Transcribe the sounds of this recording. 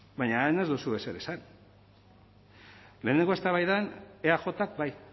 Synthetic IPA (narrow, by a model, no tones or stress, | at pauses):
baɲaene̞zðusue̞se̞ɾe̞san | le̞ːneŋɡoe̞st̪aβajðaneaxo̞t̪ak̚baj